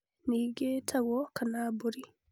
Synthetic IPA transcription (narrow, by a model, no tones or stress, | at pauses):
niɡetʰaɣɔkanabuɾi